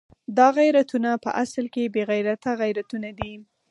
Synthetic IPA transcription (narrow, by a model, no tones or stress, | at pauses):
d̪ɑɣajɾat̪unapə̰ʔaslkebeɣajɾat̪aɣajɾat̪unad̪i